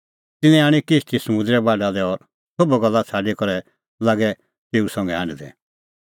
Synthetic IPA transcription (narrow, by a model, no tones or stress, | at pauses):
t̪ɪnɛ̃aːɽ̃ikɪst̪ʰisɐmʊ̃nd̪ɾɛbaɖad̪ɛɔːɾ | sobɛɡɔlːat͡sʰaːɖikɔɾɛ | laːɡɛ | t̪eːusɐ̃ŋɡɛaːñid̪ɛ̰